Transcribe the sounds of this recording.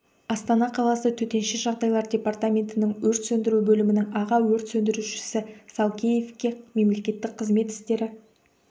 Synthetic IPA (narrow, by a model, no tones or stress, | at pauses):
ɑst̪ɑnɑqʰɑlˠɑsət̪ʰɵt̪e̞nʃɪʒɑʁd̪ɑjlˠɑɾdʲe̞part̪amʲe̞nt̪ɪnɪŋwɵɾt̪sɵnd̪ɪɾubɵlɪmɪnɪŋɑʁɑwɵɾt̪sɵnd̪ɪɾuʃɪ̥sɪsɑlˠkʲʰeje̞fkʲe̞me̞mle̞kʲe̞t̪ːɪk̚qʰəzme̞t̪ɪ̥st̪e̞ɾɪ